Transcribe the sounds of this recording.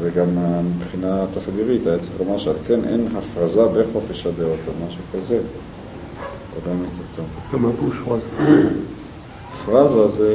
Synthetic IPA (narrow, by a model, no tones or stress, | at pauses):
veɡamamibχinat̪afɡiʁit̪ajet͡seχlomaʁʃealkenʔḛnɦafʁazabeχofeʃadeotomaʃukaze | o̰ɡamitat͡sokamakuʃʁaza | afʁazaze